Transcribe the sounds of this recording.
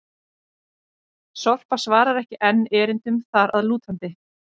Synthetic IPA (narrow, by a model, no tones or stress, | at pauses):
sɔr̥pasvaːɾaɾɛhcɪʔɛnːɛːɾɪnt̪ʏmθaɾaðluːt̪hant̪ɪ